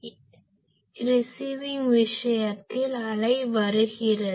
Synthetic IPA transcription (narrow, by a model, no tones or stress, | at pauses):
ɾɪsiʋɪŋʋɪʂɐjɐt̪ːɪlɐɭɐɪʋɐɾɯɣɪrɐ